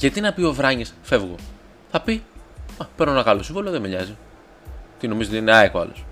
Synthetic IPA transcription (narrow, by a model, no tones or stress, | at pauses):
ʝɐt̪inɐpio̞vɾɐɲisfe̞vɣo | θɐpiɐpeɾnonɐɣɐlosĩvoloðemeʎɐzi | t̪ino̞mizot̪ineɐekoɐ̰los